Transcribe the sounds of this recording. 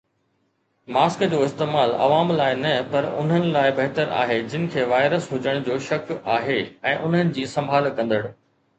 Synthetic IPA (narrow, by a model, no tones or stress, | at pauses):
maːskd͡ʑoːɪst̪eːmaːlɐ̰ʋaːmlaːɪnɐpɐɾʊ̰n̤ɦənɪ̆laːɪbɐɦt̪əɾa̰ːɦed͡ʑɪnɪ̆kʰeːʋaːɪɾəsɦʊd͡ʑəɽ̃d͡ʑoːʃɐkaːɦeɛ̃ːʔʊn̤ɦənɪ̆d͡ʑiːsɐ̃mbʱaːlkɐ̃nd̪əɽ